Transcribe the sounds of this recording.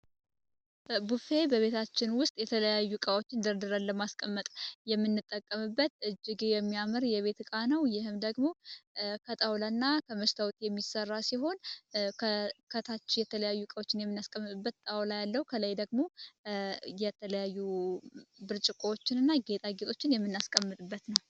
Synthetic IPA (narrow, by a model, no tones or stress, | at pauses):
bufe̞bəβe̞t̪ʰat͡ʃːɪnwʊst̪ʼjɛt̪ʰələjajːukʼawo̞t͡ʃːɪnd̪əɾd̪ɨɾanləmaskʼəmːət̪ʼjɛmːɨnːɨt̪ʼːəkʼːəmɨbːət̪ɨd͡ʒːɪɡejɛmːijamɨɾjɛβe̞t̪kʼanəwjɪhɨmd̪əɡmo̞kʰət̪ʼawlanːakʰəməst̪ʰawt̪jɛmːisərːasiɦo̞nkʰəkʰət̪ʰat͡ʃːɪjɛt̪ʰələjajːukʼawot͡ʃːɪnjɛmːɨnːaskʼəmːɨt̪ʼɨbːət̪t̪ʼawlajalːəhukʰələjd̪əɡmo | jɛt̪ʰələjajːu | bɨɾt͡ʃʼɪkʼoot͡ʃːɪnɨnːaɡe̞t̪ʼaɡe̞t̪ʰʼo̞t͡ʃːɪnjɛmːɨnːaskʼəmːɨt̪ʼɨbːət̪nəw